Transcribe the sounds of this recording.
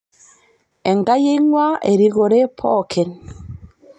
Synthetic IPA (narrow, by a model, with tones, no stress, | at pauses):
ɛ˨ŋɡa˦je˦ŋwa˦e˨ɾi˦ɣo˨ɾe˦pʰɔ˦kʰɛ˨n